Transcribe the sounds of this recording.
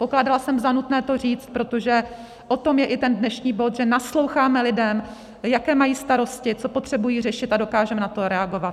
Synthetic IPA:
po̞klaːdalasɛmzanut̪nɛːt̪o̞riːt͡st̪̚pɾo̞t̪o̞ʒɛ | ʔo̞t̪o̞mjɛʔɪt̪ɛndnɛʃɲiːbo̞t̪ʒɛnaslo̞wxaːmɛlɪdɛm | jakɛːmajiːst̪aɾo̞scɪt͡so̞po̞t̪r̝̥ɛbujiːrɛʃɪt̪ado̞kaːʒɛmnat̪o̞ɾɛaɡo̞vat̪

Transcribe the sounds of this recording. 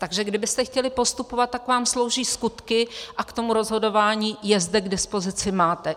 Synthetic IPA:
t̪aɡʒɛɡdɪbɪst̪ɛxcɛlɪpo̞st̪upo̞vat̪̚tːakvaːmslo̞wʒiːskut̪kɪʔakt̪o̞muɾo̞zɦo̞do̞vaːɲiːjɛzdɛɡdɪspo̞zɪt͡sɪmaːt̪ɛ

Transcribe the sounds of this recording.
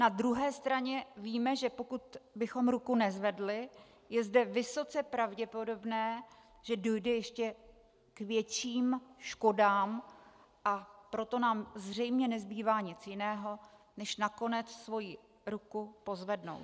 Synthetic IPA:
nad̪ɾuɦɛːst̪ɾaɲɛviːmɛʒɛpo̞kut̪bɪxo̞mɾukunɛzvɛdlɪ | jɛzdɛvɪso̞t͡sɛpɾavɟɛpo̞do̞bnɛː | ʒ̥ɛdo̞jdɛjɛʃcɛ | kvjɛt͡ʃiːmʃko̞daːm | ʔapɾo̞t̪o̞naːmzr̝ɛjmɲɛnɛzbiːvaːɲɪt͡sjɪnɛːɦo̞ | nɛʃnako̞nɛt͡ssvo̞ji | ɾukupo̞zvɛdno̞̰w

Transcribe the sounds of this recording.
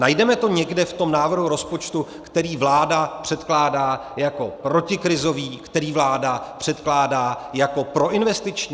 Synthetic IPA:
najdɛmɛt̪o̞ɲɛɡdɛft̪o̞mnaːvr̩ɦuɾo̞spo̞t͡ʃt̪ukt̪ɛɾiːvlaːdapr̝̥ɛt̪klaːdaːjako̞pɾo̞cɪkɾɪzo̞viːkt̪ɛɾiːvlaːdapr̝̥ɛt̪klaːdaːjako̞pɾo̞ʔɪnvɛst̪ɪt͡ʃɲː

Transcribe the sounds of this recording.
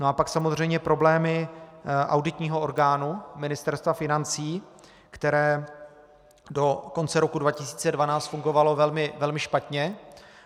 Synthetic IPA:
noapaksamozr̝ɛjmɲɛpɾo̞blɛːmɪʔa̰wdɪt̪ɲiːɦo̞o̞ɾɡaːnumɪnɪst̪ɛɾst̪vafɪnant͡siː | kt̪ɛɾɛː | do̞ko̞nt͡sɛɾo̞kudvacɪsi̥ːt͡sɛdvanaːt͡st̪fuŋɡo̞valo̞vɛlmɪvɛlmɪʃpat̪ɲɛ

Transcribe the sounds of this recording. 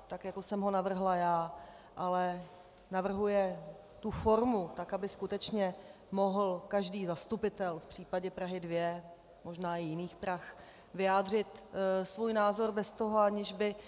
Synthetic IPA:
t̪akjakosɛmɦo̞navr̩ɦlajaː | ʔalɛ | navr̩ɦujɛ | t̪ufo̞ɾmut̪akabɪskut̪ɛt͡ʃɲɛ | mo̞ɦl̩kaʒdiːzast̪upɪt̪ɛlfpr̥iːpaɟɛpɾaɦɪdvjɛ | mo̞ʒnaːɪjɪniːxpɾax | vɪjaːdr̝ɪt̪svuːjnaːzo̞ɾbɛst̪o̞ɦoaɲɪʒbɪ

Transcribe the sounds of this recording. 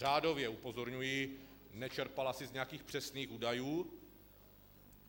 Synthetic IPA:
raːdo̞vjɛupo̞zo̞ɾɲujinɛt͡ʃɛɾpalasɪzɲɛjakiːxpr̥ɛsniːxuːdajuː

